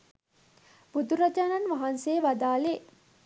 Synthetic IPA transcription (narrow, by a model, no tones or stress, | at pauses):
bud̪uɾad͡ʒaːnanʋaɦansejʋad̪aːle